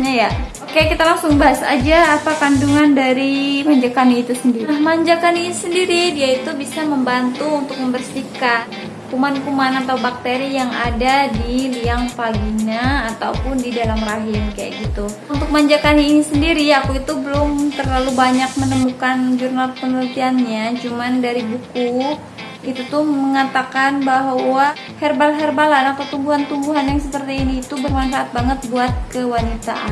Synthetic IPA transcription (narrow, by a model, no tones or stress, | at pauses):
ɲajaokajaʔkit̪alaŋsʊŋbaɦasa̰d͡ʒaːpakanduŋandaɾimaɲd͡ʒakaniːt̪usəndiɾimaɲd͡ʒakaninisəndiɾidiait̪ubisaməmbant̪uːnt̪ʊk̚məmbərsikat̪ | kumankumanat̪awbak̚t̪eɾijaŋa̰dadiliaŋpaɡiɲaːt̪a̰wpʊndidalamraɦɪmkaja̰ʔɡit̪u | unt̪ʊk̚məaɲd͡ʒakanainisəndiɾiakuit̪ubəlʊmt̪ərlalubaɲak̚mənəmukand͡ʒurnalpənəlut̪ianɲat͡ʃumandaɾibuku | it̪ut̪ʊhməŋat̪akanbaɦwa | hɛrbalɦɛrbalanat̪awt̪umbuɦant̪umbuɦanjaŋsəpərt̪iːniːt̪ubərmanfaːt̪̚baŋət̪̚buat̪̚kəwanit̪aʔa̰